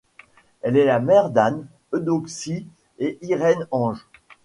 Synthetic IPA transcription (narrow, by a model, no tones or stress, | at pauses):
ɛlɛlamɛʁd̪an | ød̪oksi | eʔiʁɛnɑ̃ʒ